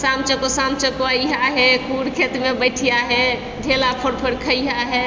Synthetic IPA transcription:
samt͡ʃəkosãmt͡ʃəkoəiɦaɦɛkuɾkʰet̪mebəɪʈʰijaɦɛ | ɖʱelapʰoɾpʰəɾkʰəiɦaɦɛ

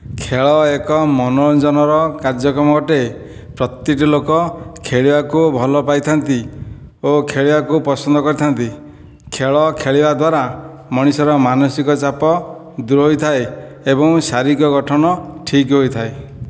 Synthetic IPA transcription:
kʰeɭɔekɔmɔnɔnd͡ʒɔnɔɾɔkaɾd͡ʒɔkɾɔmɔɡɔʈe | pɾɔt̪iʈilokɔkʰeɭibakubʱɔlɔpajt̪ʰant̪i | okʰeɭibakupɔsɔnd̪ɔkɔɾit̪ʰant̪i | kʰeɭɔkʰeɭibad̪waɾa | mɔɽ̃isɔɾɔmanɔsikɔt͡ʃapɔ | d̪uɾɔɦojt̪ʰae | ebɔŋsaɾikɔɡɔʈʰɔnɔʈʰikɦojt̪ʰae

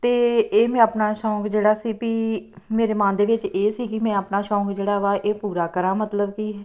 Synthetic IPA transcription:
t̪eːeːmɛ̃ːəpnaːʃɔ̃ːŋkd͡ʒeːɽaːsiːpiː | meːɾeːmãːnd̪eːʋɪt͡ʃeːsiːkɪmɛ̃ːəpnaːʃɔ̃ːkd͡ʒeːɽaːʋaːʔeːpuːɾaːkəɾãːmət̪ləbkiː

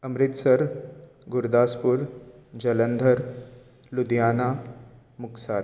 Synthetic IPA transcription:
əmɾit̪səɾ | ɡuɾd̪aːspuːɾd͡ʑələnd̪ʱəɾ | lud̪jana | muksaːɾ

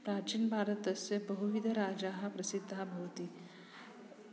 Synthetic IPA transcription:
pɾaːt͡ʃinbʱaːɾət̪ɐsebɐɦuʋid̪ʱɐɾaːd͡ʒaːɦɐpɾɐsɪd̪ʱːabʱɐʋt̪i

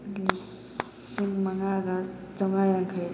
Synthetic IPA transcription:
li | siŋmɐŋaɡɐ | t͡ʃɐŋajaŋkʰɐj

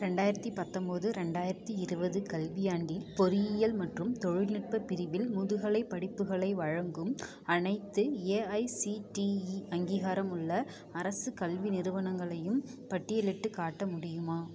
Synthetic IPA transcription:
ɾɛɳɖaːjɪɾɐt̪ːipɐt̪ːɔmbɐðɯɾɛɳɖaːjɪɾɐt̪ːiɪɾɯbɐðɯkɐlʋɪjaːɳɖɪlpɔɾɪjɪjɐlmɐʈrɯmt̪ɔɻɪɻnɪʈ̚pɐpːɪɾɪʋɪlmʊðɯɣɐɭɐɪpːɐɽɪpːɯɣɐɭɐɪʋɐɻɐŋɡɯm | ɐnɐɪt̪ːɯeːɐɪsiʈiiɐŋɡiːɣaːɾɐmɯɭːɐ | ɐɾɐsɯkɐlʋinɪɾɯʋɐnɐŋɡɐɭɐjɯmpɐʈːɪjɛlɪʈːɯkaːʈːɐmʊɽɪjɯmaː

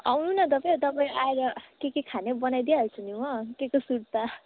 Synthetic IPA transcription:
a̰wnunʌt̪ʌpajt̪ʌpaj̃aeɾʌkekekʰanebʌnajd̪iaɦʌt͡sʰuniwʌkekosuɽt̪a

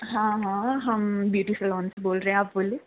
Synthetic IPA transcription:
ɦãːɦãːɦɐmbjuːʈifəlɔːnseboːlɾəɦɛ̃aːpboːleː

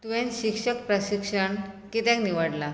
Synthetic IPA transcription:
t̪uʋẽnɕikʂək̚pɾəɕikʂəɳkit̪ãkniʋəɽla

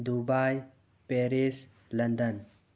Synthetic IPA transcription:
d̪ubaj | peɾis | lɐnd̪ən

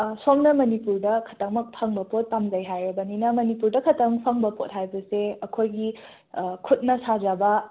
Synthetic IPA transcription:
somnɐmɐnipuɾdɐkʰɐ̥tɐŋmɐk̚pʰaŋbɐpot̚ːamzajɦajɾɐbɐninɐmɐnipuɾdɐkʰɐtɐŋpʰɐŋbɐpot̚hajbɐseɐkʰojɡi | kʰut̚nɐsazabɐ

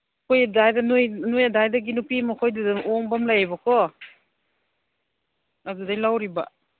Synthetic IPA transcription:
kʰojadajdanujnojadajdaɡinupimakʰojdadaɔŋbamlajabakʰɔ | aɡudajlawɾiba̰

